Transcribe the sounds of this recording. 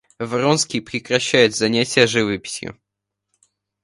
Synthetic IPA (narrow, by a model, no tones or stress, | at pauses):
vronskʲɪjpɾʲɪkɾɐɕːæjɪd̪zɐnʲætʲɪjəʐɨvɨpʲɪ̥sʲjʊ̰